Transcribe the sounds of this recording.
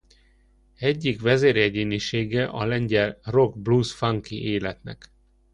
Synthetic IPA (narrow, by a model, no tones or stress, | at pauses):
ɛɟːikʋɛzeːɾjɛɟeːniʃeːɡɛʔɒlɛɲɟɛlro̞ɡblusfaŋkiʔeːlɛt̪nɛ̰k